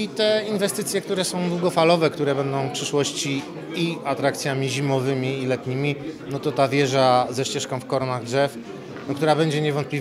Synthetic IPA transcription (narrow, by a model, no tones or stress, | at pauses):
it̪ɛinvɛst̪ɘt̪sʲjɛk̚t̪uɾɛsɔ̃w̃d̪wuɡɔfalɔvɛkt̪uɾɛbɛnd̪ɔ̃w̃fpʂɘʂwɔɕt͡ɕi | iat̪ɾakt̪sʲjamʲiʑimɔvɘmʲiːlɛt̪ɲimʲinɔt̪ɔt̪avʲjɛʐazɛɕt͡ɕɛʂkɔ̃w̃fkɔɾɔnaɣdʐɛf | nɔkt̪uɾabɛɲd͡ʑɛɲɛvɔnt̪plʲi